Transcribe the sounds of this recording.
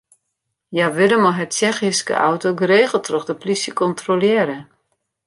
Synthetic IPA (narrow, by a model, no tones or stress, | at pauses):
jaʋɪləmɔɦɛtt͡ʃɛxiskə̰ʔa̰wtoɡəɾeːɣəl̩ˠtʰrɔxdəplisjəkɔntrolɪəɾə